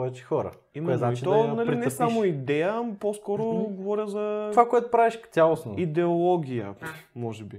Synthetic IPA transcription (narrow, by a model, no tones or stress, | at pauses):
ɔɛt͡ʃi̥xɔɾə̰ | imɛznat͡ʃionɐliɾinɛsamoid̪ɛjəposkɔɾoɡovɔɾʲəzɐvakoɛt̪ʊ̥pɾaviʃʲalˠosnoid̪ɛolˠɔɡʲijə̰mɔʒɛbi